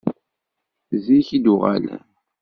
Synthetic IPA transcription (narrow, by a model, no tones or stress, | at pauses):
ziçid̪uʁa̰l